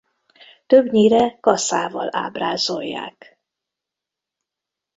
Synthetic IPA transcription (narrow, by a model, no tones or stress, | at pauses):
t̪øbɲiːɾɛkɒsaːvɒla̰ːbraːzojːa̰ːk